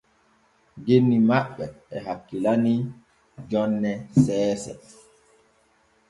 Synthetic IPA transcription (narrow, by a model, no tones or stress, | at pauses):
ɡenːimaɓːɛɛɦakːilani | d͡ʒɔnːɛsɛːsɛ̰